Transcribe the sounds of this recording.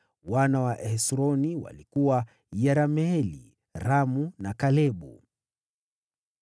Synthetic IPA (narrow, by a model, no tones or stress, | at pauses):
wanawaʔɛɛsɾɔniwa̰likuwa | jɛɾamɛlḭ | ɾamunakalɛɓṵ